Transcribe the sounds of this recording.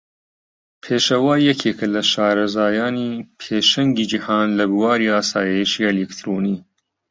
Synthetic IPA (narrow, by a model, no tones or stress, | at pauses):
pʰeːʃɐwaːjɐkʰeːkʰɐlɐʃaːɾɐzaːjaːnipʰeːʃɐŋɡiːd͡ʒihaːnlɐbuwaːɾiaːsaːjeʃielikt̪ʰɾoːniː